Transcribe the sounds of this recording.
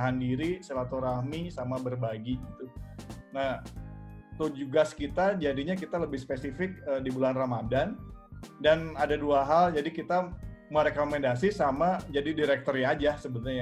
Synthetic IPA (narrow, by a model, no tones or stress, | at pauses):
ɦandiɾisəlat̪oɾahmisamabərbaɡiɡit̪unah | t̪ud͡ʒuɡaskit̪ad͡ʒadiɲakit̪aləbɪhspesifɪk̚ədibulanramadandanadaduaɦald͡ʒadikit̪aməɾekomɛndas̬isamad͡ʒadidiɾɛk̚t̪ɔɾjad͡ʒasəbənʊrɲa